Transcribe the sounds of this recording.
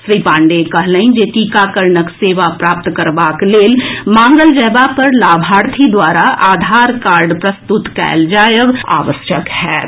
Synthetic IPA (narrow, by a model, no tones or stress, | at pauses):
sɾiːpãːɳɖekəɦlə̃ind͡ʒeːʈiːkakəɾnəkseːʋapɾaːp̚t̪kəɾbakleːlmãːŋɡəld͡ʒəːbapɐɾlaːbʱaːɾt̪ʰid̪waːɾaaːd̪ʱaːɾkaːɾɖpɾəst̪ut̪kɛ̰ːld͡ʒaːjəʋa̰ːʋəʃjəkhɛː